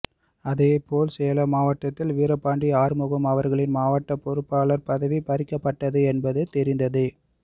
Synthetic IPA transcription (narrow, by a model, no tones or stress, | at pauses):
ɐðeːpoːlsɛjɐlɐmaːʋɐʈːɐt̪ːɪlʋiːɾɐpːaːɳɖiaːɾmʊɣɐmɐʋɐɾɣɐɭɪnmaːʋɐʈːɐpːɔɾɯpːaːlɐɾpɐðɐʋipɐɾɪkːɐpːɐʈːɐðɯɛnbɐðɯt̪ɛɾɪnd̪ɐðɯ